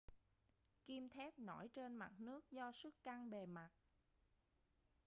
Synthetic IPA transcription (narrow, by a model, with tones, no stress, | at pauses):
ki˧mt̪ʰɛ˦˥p̚nɔ˧˩jt͡ɕe˧nma˨˩t̚nɨ˦˥ək̚zɔ˧sɨ˦˥kːa˧ŋɓe˨˩ma˨˩t̚